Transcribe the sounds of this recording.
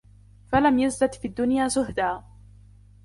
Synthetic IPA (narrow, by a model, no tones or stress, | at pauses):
falamjazd̪ad̪fiːad̪ːʊnjaːsʊɦd̪aː